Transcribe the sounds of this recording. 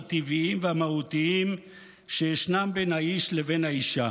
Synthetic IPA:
t̪iviimveamahut̪iim | ʃejeʃnambe̞nhaiʃle̞ve̞nhaiʃa

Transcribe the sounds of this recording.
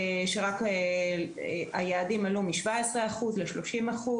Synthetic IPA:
ʃeʁake | ajaːdimalumiʃvaesʁeaχuzleʃlo̞ʃimaχu

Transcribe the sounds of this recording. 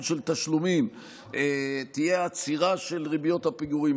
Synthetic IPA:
nʃelt̪aʃlumim | et̪ijeat͡siʁaʃe̞lʁibjo̞t̪hapiɡuʁim

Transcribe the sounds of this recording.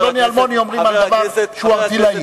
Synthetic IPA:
lɔnialmɔniɔmʁimakabaʃuatilai

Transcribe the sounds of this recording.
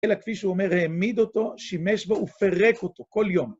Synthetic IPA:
elakfiʃeuome̞ʁheːmid̪ot̪o̞ʃimeʃboufeʁekot̪oko̞ljom

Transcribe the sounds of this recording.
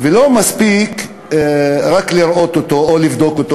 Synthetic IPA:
velo̞maspik | ɾakliɾʔo̞t̪ot̪oolivd̪o̞kot̪o

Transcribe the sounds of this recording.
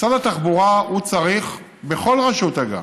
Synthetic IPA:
t͡sadat̪aχbuʁaut͡saʁiχ | be̞χo̞lʁaʃut̪aɡa̰

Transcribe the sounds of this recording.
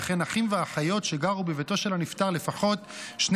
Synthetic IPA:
χenaχimveaχajo̞tʃe̞ɡaʁubeveto̞ʃe̞lanift̪aʁle̞faχo̞t | ʃn

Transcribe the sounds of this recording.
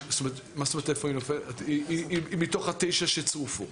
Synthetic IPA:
st̪omeet̪mastomet̪efoinofelaiiiimit̪oχat̪ejʃaʃet͡sʁufu

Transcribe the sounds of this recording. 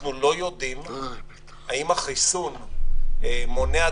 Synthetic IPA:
nulo̞jo̞d̪im | aimhaχisun | emo̞nea

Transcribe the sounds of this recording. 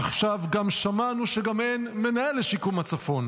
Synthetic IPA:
aχʃavɡamʃamanuʃeɡamenme̞naeleʃikumat͡safo̞n

